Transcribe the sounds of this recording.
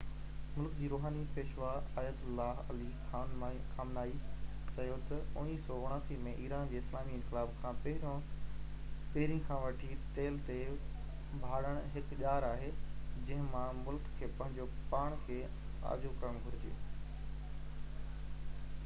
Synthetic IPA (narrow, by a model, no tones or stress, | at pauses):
mʊlkd͡ʑiːɾoːɦaːnipeːʃʋaːaːjət̪ʊlːaɦɐlixaːnkʰaːmnaːi | sɐjot̪ɐʊniːsɔːʊɽ̃aːsimẽʔiːɾaːnd͡ʑeːɪslaːmiɪ̃ŋkɪlaːbkʰãːpɐɦɪɾõ | peːɾĩkʰãːʋɐʈʰit̪eːlt̪e | bʱaːɽəɽ̃ɦɪkʄaːɾaːɦeːd͡ʑɐ̃ɦɪ̃mãmʊlkʰːeːpɐɪ̃d͡ʑoːpaːɽ̃kʰeː | a̰ːd͡ʑokɐə̃ɡʱʊɾɪd͡ʑḛː